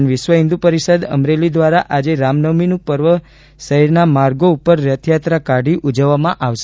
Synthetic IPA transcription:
nʋɪʃʋəɦĩnd̪upəɾiʃəd̪ə̰mɾelid̪ʋaɾaʔad͡ʒeɾamnəminũpəɾʋə | ʃəɦiɾnamaɾɡoupəɾːət̪ʰjat̪ɾakaɖiʔud͡ʒəʋːamãʔaʋʃ

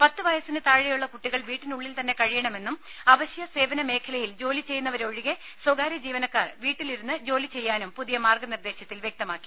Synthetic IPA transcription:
pɐt̪ːɨʋɐjɐsinɨt̪aːɻɐjuɭːɐkuʈːiɣɐɭʋiːʈːinuɭːilt̪ɐnːe̞kɐɻijɐɳɐme̞nːum | ɐʋɐɕjɐse̞ːʋɐnɐme̞ːkʰɐlɐjild͡ʑo̞ːlit͡ɕe̞jːunːɐʋɐɾoɻiɣe | swɐɡaːɾjɐd͡ʑiːʋɐnɐkːaːrʋiːʈːiliɾunːɨd͡ʑo̞ːlit͡ɕe̞jːaːnumpuðijɐmaːrɡɐnird̪e̞ːɕɐt̪ːilʋjek̚t̪ɐmaːkːi̥

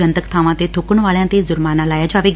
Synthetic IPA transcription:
ə̃nt̪əkt̪ʰaːʋãt̪et̪ʰokʊɽ̃ʋaːljãt̪ezʊɾmaːnãlaːjd͡ʒaːʋeɡ

